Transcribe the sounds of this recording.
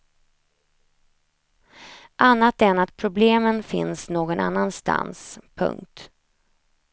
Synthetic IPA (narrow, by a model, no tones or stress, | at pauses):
ʔanːat̪ɛnat̪̚pʰɾʊbleːmənfɪ̰nsnoːɡɔna̰nːanst̪a̰nspʰɵ̰ŋk̚t̪